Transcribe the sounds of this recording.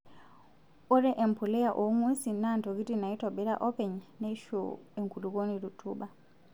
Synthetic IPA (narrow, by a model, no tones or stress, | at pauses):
ɔɾɛʔɛmpulɛjaʔɔŋwesinantoɡitinaitɔɓɛɾa̰ʔɔpɛɲnaʃo̰ɛŋkuluɡonidutʰuɓa